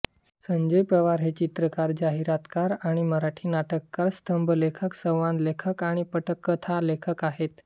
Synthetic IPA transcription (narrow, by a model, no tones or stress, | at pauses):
səɲd͡ʑəjpɾəʋaɾɦet͡ɕit̪ɾəkaɾd͡ʑaɦiɾat̪kaɾaɽ̃iməɾaʈʰiːnaʈəkːaɾst̪əmbʱəlekʰəksə̃wʋãnd̪lekʰəkaɽ̃ipəʈəkːət̪ʰalekʰəkaɦet̪